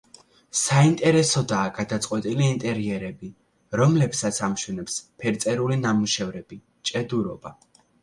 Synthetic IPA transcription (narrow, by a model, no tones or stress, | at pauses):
saint̪ʼɛɾɛsɔd̪aːɡ̥ad̪at̪sʼqʼwɛt̪ʼiliːnt̪ʼɛɾiɛɾɛbi | ɾɔmlɛpsat̪sʰamʃwɛnɛpspʰɛɾt̪sʼɛɾulinamuʃɛvɾɛb̥i | t͡ʃʼɛd̪uɾɔba